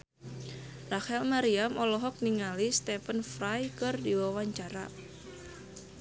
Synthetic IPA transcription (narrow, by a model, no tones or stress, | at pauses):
rahɛlmaɾiamɔlɔɦɔk̚niŋalist̪ɛfənfrajkɨrdiwawaɲt͡ʃaɾa̰